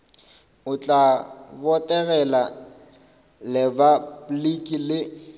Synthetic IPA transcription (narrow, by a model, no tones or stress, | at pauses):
ʊt͡ɬʼabɔtʼɛɣɛla | lɪbaplikʼilɪ